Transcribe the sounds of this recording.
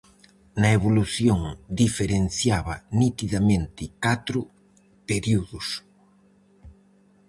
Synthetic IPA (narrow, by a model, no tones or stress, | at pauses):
nɐeβoluθjoŋd̪ifeɾen̟θjaβɐnit̪iðamẽnt̪ɪkat̪ɾʊ | peɾiuðʊs